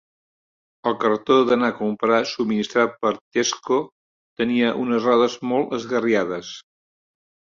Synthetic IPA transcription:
əlˠkərt̪oðənakumpɾasubminist̪ɾat̪̚pəɾt̪esko | t̪əniəʔunəzraðəzmɔlˠt̪əzɣəriaðəs

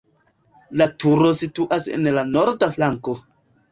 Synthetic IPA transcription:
latuɾosituʔasḛnlanoɾdaflaŋko̞

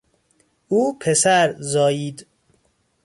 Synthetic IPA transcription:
uːpʰesæɾzɒːjiːd̪

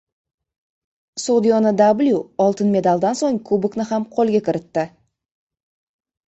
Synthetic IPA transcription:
sod̪ijonəd̪ablʲjuolˠt̪ənme̞d̪ɑlˠd̪ɑnso̞ɴkʰubəknəɦamqʰo̞lˠɡʲe̞kʲʰɪɾɪt̪ːɪ

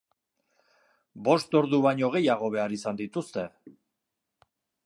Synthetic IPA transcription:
bo̞st̪o̞ɾðuβaɲo̞ɣ̞e̞jaɣo̞β̞e̞aɾisand̪it̪ust̪e̞

